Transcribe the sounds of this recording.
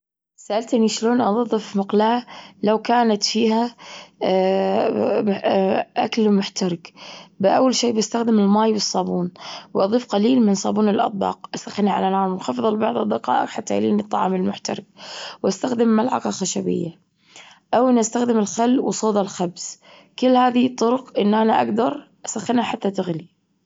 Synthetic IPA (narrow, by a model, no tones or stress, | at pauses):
saʔalt̪ʔɪniʃloːnʔɑðˤɑðˤːɨfmʊqlaːlawkaːnat̪fiːɦa | ʔa̰klmʊħt̪aɾˤɪkbɪʔawːalʃiːbast̪axd̪ɪmɪlmaːjwɨsˤːɑːbuːnwʔɑðˤiːfqaliːlmɪnsˤɑːbuːnɪlʔɑ̰t̪ˤbɑ̰ːqʔasaxːɪniʕa̰lanaːʕmɪnxɑfɨðˤɑlɪbɑʕðˤɨd̪ːɪqɑ̰ːʔɪqħat̪ːaʔɪ̰linɨt̪ˤːɑ̰ʕɑmɪlmʊħt̪a̰ɾˤɪɡ̚wʔast̪axd̪ɪmːalʕɑ̰qɑxaʃabɪ̰jːa | ʔawʔɪnːʔast̪axd̪ɪmɪlxalːwsˤoːd̪ˤalxabs | kɪlːhaːðit̪ˤːʊɾʊqʔɪnːʔanaʔaɡd̪ɑɾˤʔasaxːɪnhaħat̪ːat̪ɪɣli